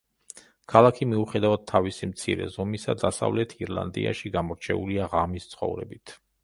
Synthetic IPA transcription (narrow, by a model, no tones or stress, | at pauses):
kʰalˠakʰimiuχɛd̪avad̪̚t̪ʰːavisimt̪sʰiɾɛ̰zɔmisa̰d̪asa̰vlɛt̪ʰiɾlˠa̰nd̪ḭa̰ʃiɡamɔɾt͡ʃʰɛuliaʁamist̪sʰχɔ̰vɾɛ̰bit̪ʰ